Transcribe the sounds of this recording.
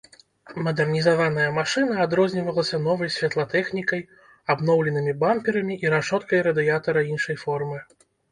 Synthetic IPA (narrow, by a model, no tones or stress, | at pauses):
mɐd̪ɛrnʲizavanɐjɐmaʂɨnɐːd̪ɾɔzʲnʲivɐlˠɐsʲɐnɔvɐjsʲvʲat̪lˠɐt̪ɛxnʲikɐj | abnɔwlʲɛnɨmʲibampʲiɾɐmʲiʔiɾaʂɔt̪kɐjɾɐd̪ɨjat̪ɐɾɐinʂɐjfɔrmɨ